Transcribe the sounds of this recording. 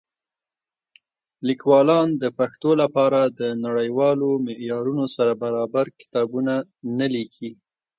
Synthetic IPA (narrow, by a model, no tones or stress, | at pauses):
likwɑlɑnd̪əpaxt̪olapɑɾad̪ənaɽəjwɑlomɪʔjɑɾunosaɾabaɾɑbaɾkɪ̥t̪ɑbuna | nalikʰi